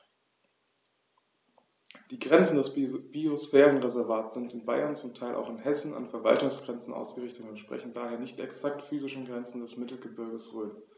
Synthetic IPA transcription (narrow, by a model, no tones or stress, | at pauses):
d̥iːɡʁɛnt͡sn̩dɛsb̥iosfɛːʁənʁezɛɐvaːtz̥ɪntɪnbaɪɐnt͡sʊmtʰaɪlʔa̰ʊxɪnhɛsn̩a̰nfɛɐva̰ltʊŋsɡ̥ʁɛnt͡sn̩ʔa̰ʊsɡ̥əʁɪçtətʊntʃpʁ̥ɛ̰çn̩daːheːɐnɪçtɛksak̚tfyːzɪʃn̩ɡʁɛnt͡sn̩dɛsmɪtl̩ɡəbɪɐɡəsʁøːn